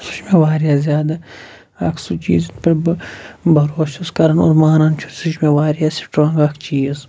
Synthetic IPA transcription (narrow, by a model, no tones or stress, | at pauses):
suʃmeʋaːɾijaːzʲjaːd̪ɐ | ɐ̰kʰsut͡ʃḭːzipɐɾ | bɐɾoːʃuskɐɾɐno̰ɾmaːɾɐnt͡ʃʰuɾsuʃmeʋaːɾijasi̥pʈõːŋɡɐkʰt͡ʃiːz